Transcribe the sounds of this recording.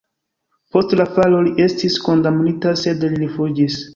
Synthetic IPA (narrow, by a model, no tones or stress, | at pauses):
po̞stlafalo̞liʔe̞stisko̞ndamnitase̞dlilifud͡ʒis